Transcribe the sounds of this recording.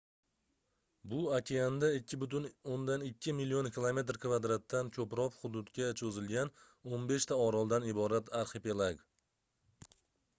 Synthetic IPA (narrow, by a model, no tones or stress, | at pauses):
bʊakʰʲeand̪aːɪbʊt̪ʊnond̪anɪkʲʰːɪmilːionkʲʰɪlˠome̞t̪ɾkʲʰvad̪ɾat̪ːankʰɵpɾɒpχʊd̪ʊd̪kʲat͡ʃʰɵzɪlɡʲan | onbe̞ʃt̪ʰaɒɾɒlˠd̪anɪbɒɾat̪ʰaɾχepelˠaɡ